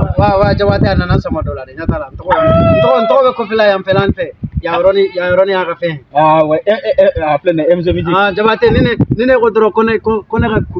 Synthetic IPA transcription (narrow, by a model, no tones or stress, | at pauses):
wawad͡ʒabateananasɔ̃mɡɔdɔladeɲatalan̩tɔɡɔn̩tɔɡɔn̩tɔɔbɛkofɛlajãmfɛlãnĩfɛjajɔɾɔnijajɔɾɔnĩjakafɛ̃awɛɛaflẽnaɛ̃mis̬emĩd͡ʒiãd͡ʒabateninenĩnekodɔɾɔkɔnekɔkɔnekak